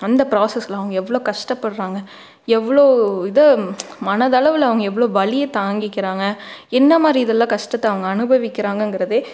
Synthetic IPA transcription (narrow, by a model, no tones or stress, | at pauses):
ɐnd̪ɐpɾaːsɛslãɐʋɐŋɡɐɛʋːɐɭoːkɐʂʈɐpːɐɽɾaːŋɡɐ | ɛʋːɐɭoːɪðɐmɐnɐðɐɭɐʋɪlɐʋɐŋɡɐɛʋːɐɭoːbɐɭɪjɐt̪aːŋɡɪkːɪɾaːŋɡɐɛnːɐmaːd̪ɾiɪðɛlːãːkɐʂʈɐt̪ːɐɐʋɐŋɡɐːnɯbɐʋɪkːɪɾaːŋɡɐɯŋɡɪɾɐðɯ